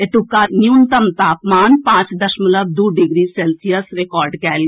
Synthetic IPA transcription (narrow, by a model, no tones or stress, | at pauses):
et̪ukːanjunt̪ɐmt̪aːpmaːnpãːt͡ʃd̪ɐʃmələb̚d̪uːɖɪɡɾiseːlsijəsɾekɔːɾɖkɛːl